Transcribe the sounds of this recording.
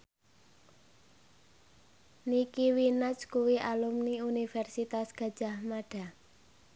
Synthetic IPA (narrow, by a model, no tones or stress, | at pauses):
nikiwinat͡ʃkuwiʔalumniunifɛrsit̪asɡ̥ä̤d̥ʒ̥a̤hmaɖ̥a̤